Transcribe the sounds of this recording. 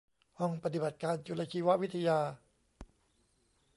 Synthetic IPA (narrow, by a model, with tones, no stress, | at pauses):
hɔ˧ŋpa˧t̪̬i˨˩ba˨˩t̪̚kaː˧nt͡ɕu˧la˧kʰiː˧wa˦ʔwi˦˥t̪ʰːa˧jaː˧